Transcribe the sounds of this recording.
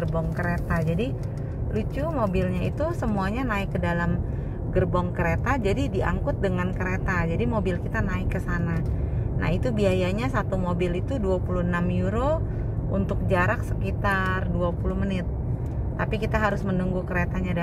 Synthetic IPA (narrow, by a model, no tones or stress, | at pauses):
rbɔŋkəɾet̪ad͡ʒadi | lut͡ʃumobɪlɲait̪usəmuaɲanaɪkːədalam | ɡərbɔŋkəɾet̪ad͡ʒadidiʔa̰ŋkʊt̪̚dəŋankəɾet̪ad͡ʒadimobɪlkit̪anaɪkːəsanana̰ɦit̪ubiajaɲasat̪umobɪlit̪uduapuluhnamjuɾo | ṵnt̪ʊk̚d͡ʒaɾaksəkit̪arduapulʊhmənɪt̪ː | apikit̪aɦaɾʊsmənuŋɡukəɾet̪aɲad